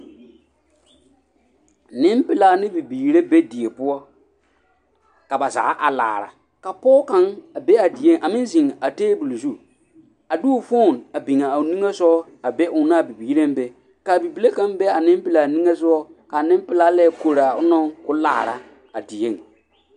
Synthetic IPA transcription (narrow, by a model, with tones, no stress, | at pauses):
nɪ˦mpɪ˨laː˨nɪ˦bi˨biː˨ɾe˦be˦di˨e˨pʊ˦ɔ˦ | ka˨ba˨za̰ː˨˦ʔa˨la̰ː˨ɾa̰˨ | ka˨pɔː˦ka˨˦ŋa˨be˦a˨di˨je˦ŋ˨ʔa˨mɪ̃˦n˦zi˨ŋa˨teː˦bu˨lzu˦ | a˨du˦˨fo˦˨na˨bi˨ŋa˨a˨ni˦ŋe˦sɔ˦ | a˨be˦ʔʊ˨na˦a˨bi˨biː˨ɾe˦m˦be˦ | ka˨bi˨bi˨le˦kã˦ŋbe˦a˨nɪ˦m˦pɪ˨laː˨ni˦ŋe˦sʊ˦ɔ˦ka˨nɪ̃˦mpɪ˨laː˦lɛ˦˨ko˨ɾa˨ʊ˦nɔ˦ŋkʊ˦la̰ː˨ɾa̰˨ | a˨di˨je˦˨ŋ